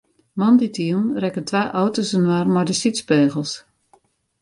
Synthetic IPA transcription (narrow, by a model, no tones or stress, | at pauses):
mɔnditiənrɛkəntʋaːʔɔwtosənwarmɔjdəsitspeːɣəlˠs